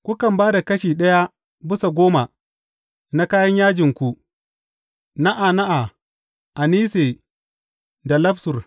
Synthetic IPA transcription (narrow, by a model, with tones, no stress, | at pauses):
kʷu˦kɐ˨mbaː˦da˨kɐ˦ʃiː˨ɗɐ˦ja˦ | bɪ˦sa˨ɡʷoː˦ma˨ | na˦kaː˦jɐ˦ɲjaː˦d͡ʒɪ˨ŋkʷu˦ | na˦ʔa˨na˦ʔa˨ | ʔa˨niː˦seː˨ | da˨lɐ˦bsʊ˨r